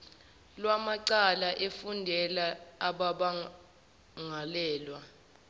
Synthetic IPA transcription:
lwamaǀalaʔefundʱɛlaːɓaɓa | ŋalɛːlwa

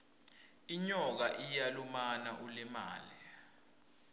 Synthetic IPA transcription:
iɲɔk̬aʔijalumanaʔulɛma̰ːli

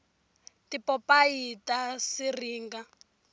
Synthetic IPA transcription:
tipɔpaitasiriːŋɡa

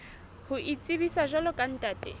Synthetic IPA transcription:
hʊʔit͡sʼɪbisaʒalɔkʼan̩tʼaːtʼɛ

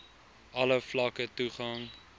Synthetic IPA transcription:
ʔɐləflɐkətuχɐŋ

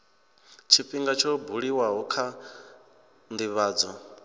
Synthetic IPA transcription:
t͡ʃʰiɸiŋɡat͡ʃʰɔbuɺiwaɦukʰa | nd̪iβaːd͡zɔ

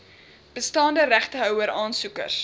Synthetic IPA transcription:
b̥əstɑːndəɾæχtəɦœwəɾɑːnsukə̰rs

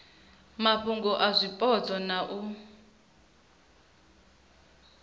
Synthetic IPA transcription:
maɸʰuŋɡɔʔazʷipʼɔt͡sʰʼɔnaʔu

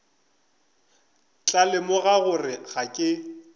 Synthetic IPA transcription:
t͡ɬʼalɪmʊɣaɣʊrɪɣakʼɪ

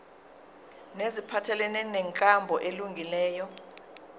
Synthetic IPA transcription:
nezipʰatʰɛlɛnɛnɛŋkʼambʱɔʔeluŋɡʱilɛːjɔ

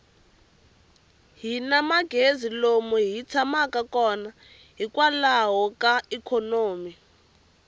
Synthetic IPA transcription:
ɦinamaɡ̥ʱezilomɔɦit͡sʰamakakɔna | ɦikʼwalaɦɔkaikʰonoːmi

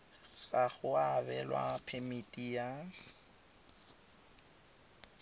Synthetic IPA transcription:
ɣaɣʊabɛlwa̰pʰemitʼija

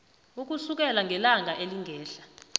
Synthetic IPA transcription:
uk̬usuk̬ɛlaŋɡʱɛlaŋʱaʔeliŋɡʱɛːɬḁ

